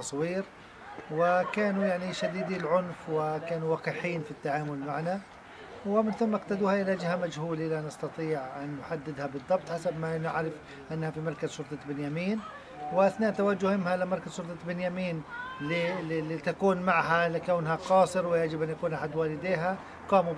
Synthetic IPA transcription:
ɑsˤwiːɾ | wɪkaːnujaʕniʃad̪iːd̪ilʕʊnfwɪkaːnuwɑːqiːħiːnfit̪ːaʕaːmʊlmaʕna | wɪmɪnθʊmːaaqt̪ad̪uːhaʔɪlad͡ʒɪhamad͡ʒhuːlilanɪst̪ɑt̪ˤiːʕʔanːʊħad̪ːɪd̪habɨðˤːɑb̚t̪ˤħasabmaʔɪnɪ̰ʕɾɪf | ʔanːhafimɑɾˤkazʃʊlt̪ˤɑbɪnjamiːn | wɪʔɪθnaːʔt̪awad͡ʒːʊhmɪmhalɪmɑɾˤkaz̥ʃʊlt̪ˤɑbɪnjamiːnlilit̪akuːnmaʕhalɪkawnhaqɑːsˤɨɾwɪjaʕd͡ʒɪbʔanjakuːnʔaħad̪waːlɪd̪eːɦa | qɑːmu

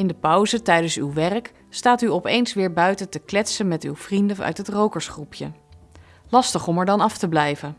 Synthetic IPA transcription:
ɪndəpʌwzətɛjdənsywʋɛrk | staːtyɔpejnsʋɪːɹbœɥtətəklɛtsənmɛtywv̥rindəœ̰ɥtɦətrowkəɹsχrupʰjə | lɑstəχɔmɛɹdɑnɑftəblɛjvən

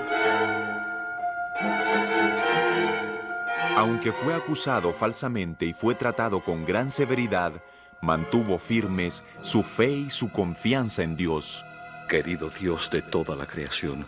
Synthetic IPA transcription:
awŋke̞fwe̞akusaðo̞falsamẽnt̪e̞ifwe̞t̪ɾat̪aðo̞ko̞ŋɡɾanse̞βe̞ɾiðað | mãnt̪uβo̞fiɾme̞sːufe̞isuko̞ɱfjansae̞nd̪jo̞skeɾiðoðjosd̪et̪o̞ðala̰kɾeasjo̰n

